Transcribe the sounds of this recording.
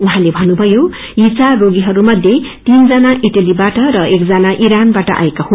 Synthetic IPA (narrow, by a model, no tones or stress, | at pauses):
uɦãlebʱʌnubʱʌjo | jit͡saroɡiɦʌɾumʌd̪ʱjet̪ind͡zʌnaʔiʈalibaʈʌɾʌekd͡zʌnaʔiɾanbaʈʌ̰ʔa̰ekahu